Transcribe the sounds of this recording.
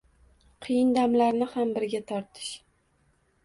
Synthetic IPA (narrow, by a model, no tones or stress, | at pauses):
qʰɨjɪnd̪amlaɾnɪhambɪɾɡʲat̪ʰɒɾt̪ʰɪ̥ʃ